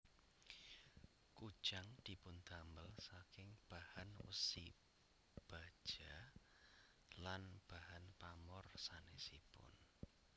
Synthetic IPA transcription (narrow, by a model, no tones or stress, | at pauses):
ku̥ʒ̥aŋd̪̥i̤pʊnd̪ambəlsakɪŋb̥ahanwə̰sḭ | b̥a̤d̥ʒ̥a | lanb̥ahanpamɔrsanesipʊ̰n